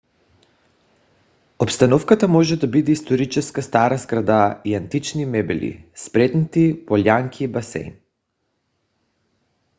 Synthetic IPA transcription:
opst̪anɔfkat̪amɔʒɛd̪abid̪ɛist̪oɾit͡ʃɛskast̪aɾazɡɾad̪aiant̪it͡ʃnimɛbɛlḭspɾɛt̪nit̪ipolʲaŋkʰibasɛ̰jn

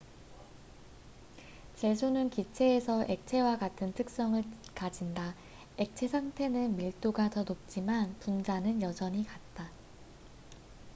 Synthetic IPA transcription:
t͡ɕe̞sʰonɯnkit͡ɕʰe̞ːsʰʌʔe̞k̚t͡ɕʰe̞wakatʰɯntʰɯk̚s͈ʌŋɯɭkad͡ʑinda | e̞k̚t͡ɕʰe̞sʰaŋtʰe̞nɯnmiɭt͈oɡatʌnop̚t͡ɕ͈imanpund͡ʑanɯnjʌd͡ʑʌɲikat̚t͈a

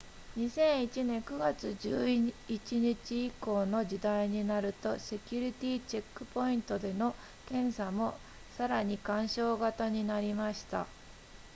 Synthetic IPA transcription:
ɲ̟isẽ̞ɰ̃it͡ɕinẽ̞ŋkɯ̟ɡat͡sɨd͡ʑɨːit͡ɕiɲit͡ɕiːko̞ːno̞d͡ʑid̪aiɲ̟inaɾɯ̟t̪o̞se̞kʲuɾʲit̪ʲiːt͡ɕe̞kːɯ̟̥po̞ĩnt̪o̞d̪e̞no̞ | kẽ̞ɰ̃samo̞ | saɾaɲ̟ikãɰ̃ɕo̞ːɡat̪aɲ̟inaɾʲimaɕi̥t̪a̰

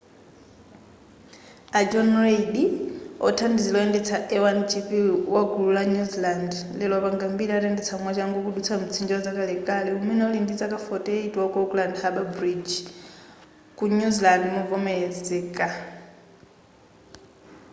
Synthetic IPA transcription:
ad͡ʒɔnreidiɔ̰tʰandizilɔɛndɛt͡sʰaʔɛwant͡ʃʰipiwaɡululaɲuzilandlɛlwaβaŋɡambiɾataɛndɛt͡sʰamwat͡ʃaŋɡɔkuɗut͡sʰamut͡sʰind͡ʒɔɔd͡zakalɛkʼaliumɛnɛɔlindid͡zakʼafɔtʼɛitʼwakɔɡlandhaɓabɾid͡ʒ | kuɲuzilandmuvɔmɛɛd͡zɛkʼa

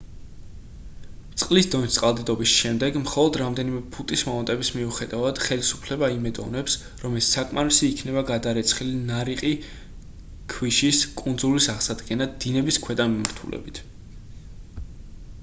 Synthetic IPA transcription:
t̪sʼqʼlisd̪ɔnist̪sʼqʼalˠd̪id̪ɔbisʃɛmd̪ɛɡmχɔlˠɔd̪ɾamd̪ɛnimɛpʰut̪ʼismɔmɛnt̪ʼɛbismiuχɛd̪avad̪̥χɛlisu̥pʰlɛbaimɛd̪ɔ̰nɛps | ɾɔmɛssakʼmaɾisiːkʰnɛbaɡad̪aɾɛt̪sʰχilinaɾiqʼi | kʰwiʃiskʼund̪zulisaʁsad̪ɡɛnad̪inɛbiskʰwɛd̪amimaɾt̪ʰṵlʔɛ̰bit̪ʰ

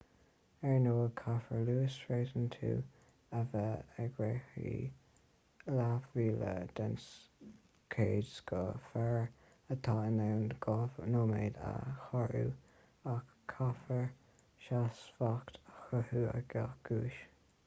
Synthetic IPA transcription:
ɛɹnoːəkʰafəɹluːsɹeːzənt̪ʰṵː | ɛvəəɡɹeːxḭ | lavɹiːlə̰d̪̥ɛns | kʰeːdsɡɔfɛɹ | ət̪ʰɑːənawnɡ̥ɔnoːmeːd̪a̰xaɹṵː | akʰːafəɹ | ʃasfakt̪ʰaxəhuːə̰ɡ̥axɡ̥uːʃ

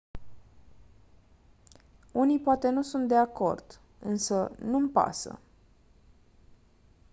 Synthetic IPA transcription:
unijpoat̪e̞nusunt̪̚d̪e̞ako̞̰rd̪̥ | ɨ̰nsənumpa̰sə̰

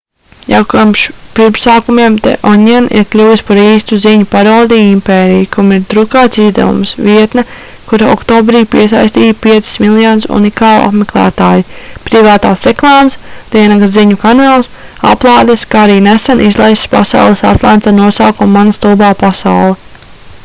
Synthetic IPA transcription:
jawkamʃpiɾpsaːkumiɛmt̪ɛ̰ʔɔɲɛnḭɾklʲuːjispaɾiːst̪uziɲupaɾawd̪iimpeːɾijkumiɾt̪ɾukaːt̪sizd̪ɛ̰vṵmsviɛt̪nɐ | kuɾaɔ̰kt̪oːbɾijpiɛsa̰jsʲt̪iːt̪piɛt̪sɪ̥smilˠjaːnsṵnikaːlˠa̰pmeklˠæ̰ːt̪aːjupɾivaːt̪aːsɾeklˠɑːmst̪iɛnaɡsziɲukanaːlˠs | a̰plˠɑːd̪eskaːaɾiːnesɛnʔizlˠajsspasa̰wlˠesa̰t̪lˠant̪sanuɔsaːkumːanast̪ubaːpasa̰wlˠɛ

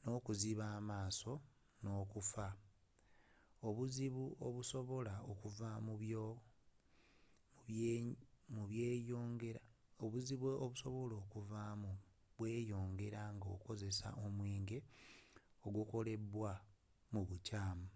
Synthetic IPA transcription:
no̞ːkuziβaːmaːso̞ | no̞ːkufa | oβuziβuoβuso̞βo̞laokuvamuo | muβje̞ːjoːŋɡe̞ɾa | oβuziβweoβuso̞βo̞lo̞ːkuvamu | βwe̞ːjo̞ːŋɡe̞ɾaŋɡo̰ko̞ze̞sa̰ʔomweːŋɡe̞ | o̞ɡuko̞le̞βwa | muβucaːmu

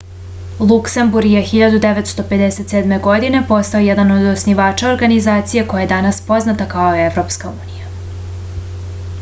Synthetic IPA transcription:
lˠuksembuɾɡjexiʎad̪ud̪e̞ʋet̪st̪o̞pe̞d̪ese̞t̪seːd̪me̞ɡo̞d̪ine̞po̞st̪aojed̪ano̞d̪osniʋaːt͡ʃao̞ɾɡanizaːt̪sije̞ko̞jajed̪anaspo̞znat̪akao̞jeeʋɾo̞pskauːnija

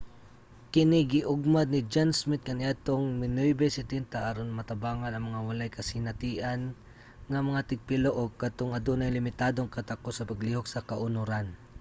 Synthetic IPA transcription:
kɪnɪɡɪʔʊɡ̚mad̪nɪd͡ʒansmɪt̪̚kɐnɪʔat̪oŋmɪnojbɛsɛt̪ɛnt̪aʔaɾonmɐt̪ɐbaːŋanɐŋmɐŋawɐlajkɐsɪnɐt̪iːʔan | ŋɐmɐŋat̪ɪɡ̚pɪloʔoɡkɐt̪oŋɐd̪onɐjlɪmɪt̪aːd̪oŋkɐt̪akosɐpɐɡliːhok̚sɐkɐʔʊnʊɾan

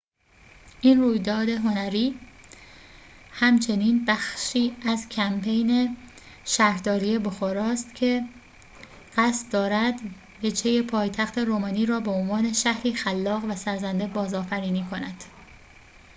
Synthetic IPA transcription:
ʔiːnruːjd̪ɒːd̪e̞ɦo̞næɾiː | hæmt͡ʃʰe̞niːnbæxʃiːæzcʰæmpʰe̞jne̞ | ʃæɾd̪ɒːɾije̞boxoːɾɒːst̪cʰe̞ | ɢ̥æst̪̚d̪ɒːɾæd̪ | ve̞d͡ʒhe̞je̞pʰɒːjt̪ʰæxt̪ʰe̞ɾoːmɒːniːɾɒːbe̞onvɒːne̞ʃæhɾiːxælːɒːɣvæsæɾzænd̪e̞bɒːzɒːfæɾiːniːkʰo̞næd̪̥

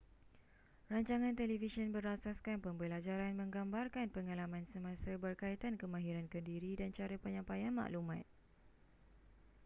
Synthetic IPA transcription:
raɲt͡ʃaŋãnt̪ɛlifisənbəɾasaskanpəmbəlad͡ʒaɾanmə̃ŋɡambarkanpəŋalamãnsəmãsəbərkait̪ankəmãɦiɾankəndiɾidant͡ʃaɾəpəɲãmpajanma̰ʔlumãt̪̚

